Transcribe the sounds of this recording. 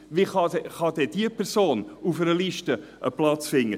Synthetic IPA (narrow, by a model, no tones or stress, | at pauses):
viχɑdɛχɑd̪ɛd̥iəpʰɛɾsoːnufɛɾəliʃtə | əplɑt͡sfɪŋːə